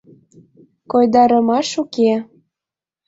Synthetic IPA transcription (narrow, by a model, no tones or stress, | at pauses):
kojd̪ɑɾəmɑʃuke